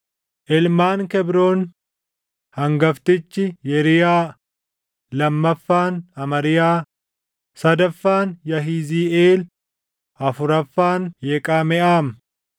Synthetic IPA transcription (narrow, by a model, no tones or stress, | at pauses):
ʔɪlmaːnkɛbɾoːn | hɐŋɡɐft̪ɪt͡ʃːɪjɛɾɪjaː | lɐmːɐfːaːnɐmɐɾɪjaː | sɐd̪ɐfːaːnjɐɦiːziːʔeːl | ɐfʊɾɐfːaːnjeːkʼaːmɛʔaːm